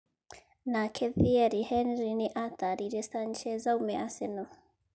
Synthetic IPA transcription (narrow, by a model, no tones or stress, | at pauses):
nakʰɛðiɛɾihɛnɾiniʔat̪aɾiɾɛst̪ant͡ʃɛzawmɛʔasɛno